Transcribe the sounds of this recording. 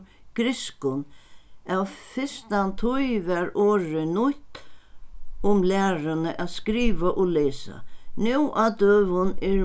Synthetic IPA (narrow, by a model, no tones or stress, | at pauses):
ɡ̥ɾɪskʊnawfɪst̪ant̪ʰʊjvɛɾoːɹɪnʊt̪ | ʊmlæːɾanəʔaðskɾiːʋaʔɔlɛːsa̰nɛwʔat̪øːʋʊnɛ